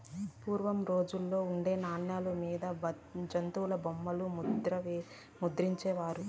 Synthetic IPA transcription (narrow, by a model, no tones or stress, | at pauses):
puːɾʋɐmɾo̞ːd͡ʒulːo̞ːuɳɖe̞ːnaːɳjaːlumiːd̪ɐ | d͡ʒɐnt̪uwlɐbomːɐlumuɾɐ | mud̪ɾiɲt͡ʃeːʋaːɾu